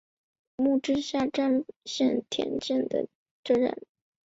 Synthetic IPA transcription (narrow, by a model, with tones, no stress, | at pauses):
mu˥˧ʈ͡ʂɻ̩˥ɕja˥˩ʈ͡ʂa˥nɕjɛ˥˩nt̪ʰjɛ̰˧˥nt͡ɕɛ˥˩nd̪ə̰˩ | ʈ͡ʂɤ˥ɻə̰˧˩˥n